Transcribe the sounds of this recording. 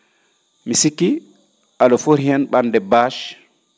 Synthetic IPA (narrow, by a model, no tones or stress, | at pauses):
misikːi | alɔfoɾhɛnɓandɛbaʃ